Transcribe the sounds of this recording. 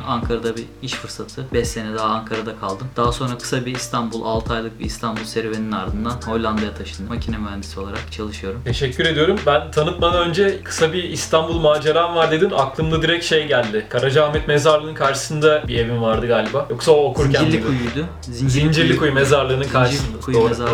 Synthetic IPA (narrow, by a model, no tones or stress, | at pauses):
aŋkʰaɾad̪abi | iʃfɯɾsat̪ʰɯbɛsːe̞nɛd̪aɦaːŋkʰaɾad̪akʰalˠd̪ɯmd̪̥aɦaso̞nɾakʰɯ̥sabiːst̪ʰanbulˠalˠt̪ʰajlˠɯk̚biist̪ʰanbulˠsɛɾveninaɾd̪ɯnd̪anho̞lʲːˠand̪ajat̪ʰaʃɯnd̪ɯmacʰinɛvæɾmisio̞lˠaɾa̰kt͡ʃʰalˠɯʃɯjo̞ɾumt̪ʰeʃɛcʰʲːyɾe̞d̪ijo̞ɾumbænt̪ʰanɯt̪mad̪anønd͡ʒɛkʰɯ̥sabiːst̪ʰanbulˠmaːd͡ʒeɾaːnvaɾd̪e̞d̪inaklˠɯmd̪ˠad̪iɾɛcʃe̞jɟælʲd̪ɪkʰaɾad͡ʒahmɛt̪mezaɾlˠɯnɯnkʰaɾʃɯ̥sɯnd̪abie̞vimvaɾd̪ɯɡaːlʲibaːjoksaoːkʰuɾʲælʲːikʰujujd̪ʊ | zind͡ʒzind͡ʒiɾlʲikʰujumezaɾlˠɯːnɯnkʰaɾʃisɯnd̪kʰujuezaɾ